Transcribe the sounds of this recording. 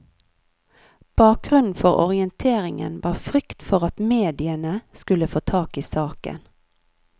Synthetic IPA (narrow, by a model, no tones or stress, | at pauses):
b̥ɑːk̚ɡʁʉnn̩fɔʁɔ̰ʁɪənt̪ʰeːʁɪŋə̰nʋɑːfʁʏkt̪fɔʁɑt̪meːd̪ɪənəskʉləfoːt̪ʰɑːkiːsɑːkə̰n